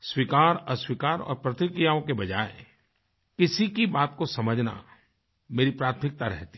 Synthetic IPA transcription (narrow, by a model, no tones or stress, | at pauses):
swikaːɾɔːɾswikaːɾɔ̰ːɾpɾɐt̪ɪkɾijaõkebɐd͡ʒaːe | kɪsikibaːt̪kosɐməd͡ʒʱna̰ | meːɾipɾaːt̪ʰmɪk̚t̪aɾɛ̰ɦt̪i̥